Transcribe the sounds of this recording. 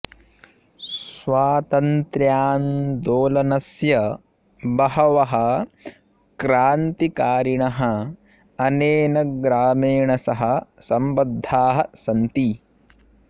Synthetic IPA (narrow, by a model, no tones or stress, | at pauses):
sʋaːt̪ɐnt̪ɾjaːnd̪oːlɐnɐsjɐ | bɐɦɐʋɐɦɐ̆ | kɾaːnt̪ikaːɾiɳɐɦɐ | ɐneːnɐɡɾaːmeːɳɐsɐɦɐ̆sɐmbɐd̪ʱːaːɦɐsɐnt̪i